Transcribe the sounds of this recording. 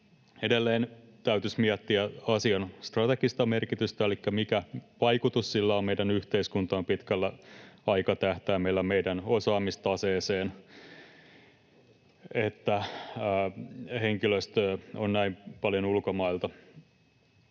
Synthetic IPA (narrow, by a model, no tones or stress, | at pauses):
edelːeːn | t̪æyt̪ysmiæt̪ːiæɑsiɑnst̪rɑt̪ekist̪ɑmerkit̪yst̪æelikːæmikæʋɑikut̪ussilːæommeidænyht̪eiskunt̪ɑːmpit̪kælːæɑikɑt̪æht̪æːmeilːæmeidænosɑːmist̪ɑseːseːn | et̪ːæ | heŋkiløst̪ːonnæimpɑljonulkomɑilt̪ɑ